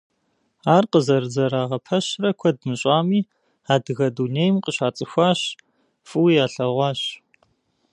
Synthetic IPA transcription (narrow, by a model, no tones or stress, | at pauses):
aːrqəzɐrɨzɐɾaːʁɐpʰɐɕrɐkʷʰɔdmɨɕʼaːmiː | aːdɨɣɐduːneːjmqəɕaːt͡sʼɨxʷaːɕ | fʼɨwijaːɬɐʁʷɑːɕ